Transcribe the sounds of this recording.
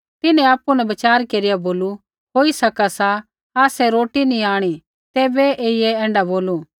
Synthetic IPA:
t̪ɪnɛ̃aːpunɛbɐt͡ʃaːɾkeɾɪjaboːlu | ɦoːisɐkasa | aːsɛɾoːʈinĩaːɽ̃i | t̪eːbɛʔeːieɛ̃ːɳɖaboːlu

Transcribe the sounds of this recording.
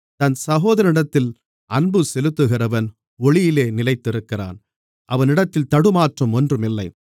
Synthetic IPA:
t̪ɐnsɐɣoːðɐɾɐnɪɽɐt̪ːɪl | ɐnbɯsɛlɯt̪ːɯɣɪrɐʋɐn | ɔɭɪjɪleːnɪlɐɪt̪ːɪɾɯkːɪra̰ːn | ʔɐʋɐnɪɽɐt̪ːɪlt̪ɐɽɯmaːʈrɐmɔndrɯmɪlːɐɪ

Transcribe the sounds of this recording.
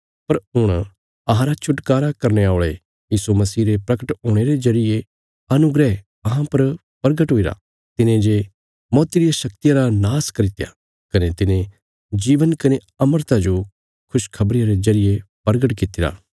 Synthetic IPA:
pɐɾɦʊɽ̃ | ɐɦãɾat͡ʃʰʊʈkaːɾakɐɾneaːɭe | jiːsumɐsiːɾepɾɐkəʈɦoːɽ̃eɾezɐɾɪje | ɐnʊɡɾɛ | ɐɦãpɐɾ | pɐɾɡəʈɦoːiɾa̰ | t̪ɪnẽd͡ʒe | mɔːt̪iɾijaʃɐkt̪ijãɾanaːskɐɾɪt̪eja̰ | kɐnet̪ɪnẽ | d͡ʒiːʋənkɐne | ɐməɾt̪ad͡ʒo | kʰʊʃkʰɐbɾɪjaɾezɐɾɪjepɐɾɡəʈkɪt̪ːɪɾa̰ː

